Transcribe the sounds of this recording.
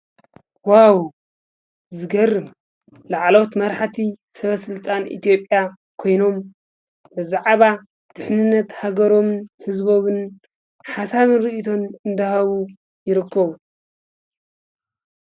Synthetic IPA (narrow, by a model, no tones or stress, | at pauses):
waw | zɨɡɐrɨm | laʕlo̞t̪mɐɾħat̪ʰisɐβɐsɨlt̪ʼanḭt̪ʰijo̞pʼːja | kʰo̞jno̞m | bɨzaʕβa | d̪̥ʰɨħnɨnːɐt̪haɡɐɾo̞mhɨzβo̞βɨn | ħasaβɨnɾiʔit̪ʰo̞nɨnd̪ɐhɐβu | jɪɾɨkːɐβu